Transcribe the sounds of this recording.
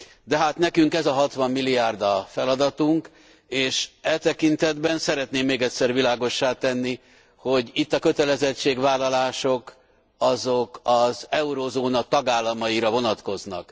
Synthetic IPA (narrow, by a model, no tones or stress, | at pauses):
d̪ɛɦaːt̪nɛkyŋkɛzɒɦɒt̪ʋɒmːilːijaːrd̪ɒfɛlɒd̪ɒt̪uŋk | eːʃɛlt̪ɛkint̪ɛd̪bɛnsɛɾɛt̪neːmːeːɡɛtʲsɛrvilaːɡo̞ʃːaːt̪ɛnːi | ho̞ɟit̪ːɒkø̞t̪ɛlɛzɛt͡ʃːeːɡvaːlɒlaːʃok | ɒzokɒzɛuɾozoːnɒt̪ɒɡaːlːɒmɒjiɾɒvo̞nɒt̪ko̞znɒ̰k